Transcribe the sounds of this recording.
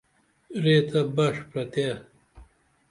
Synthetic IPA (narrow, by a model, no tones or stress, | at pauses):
ɾeːt̪ʰɐbɐʂpɾɐt̪e